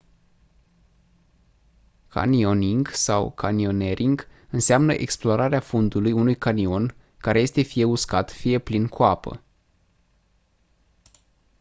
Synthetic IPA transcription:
kʰa̰nio̞niŋɡsa̰wkʰanio̞ne̞ɾʔiŋɡɨnseamnə̰ʔe̞̰ksploɾaɾeafund̪ulujunujkanio̞n | kaɾe̞je̞st̪e̞fije̞uskat̪fije̞plinkʰuapə̰

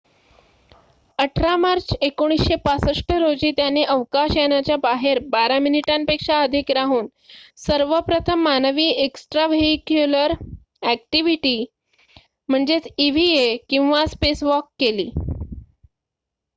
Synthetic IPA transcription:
əʈʰɾamaɾt͡ɕekoɽ̃isɕepasəʂʈəɾod͡ʑiːt̪janeʔəʋkaɕjanat͡ɕjabaɦeɾbaɾaminiʈampekʂaəd̪ʱikɾaɦuːn | səɾʋəpɾət̪ʰəmːanəʋiːeksʈɾaʋeikjuləɾ | æk̚ʈiʋiʈiː | m̤əɳd͡zet͡siʋiekĩw̃ʋaspesʋɔkːelḭː

